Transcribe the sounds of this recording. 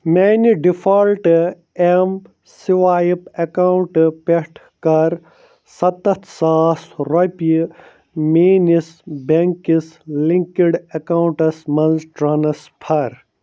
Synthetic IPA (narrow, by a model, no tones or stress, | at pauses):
meːniɖifʰɐlʈ | em | siʋaːjipekawɳʈpeʈʰ | kɐɾ | sɐt̪ɐt̪ʰsaːsɾop | meːnisbeŋkisliŋkiɖɐkaːwuɳʈɐsmɐnzʈɾɐnɐspʰɐɾ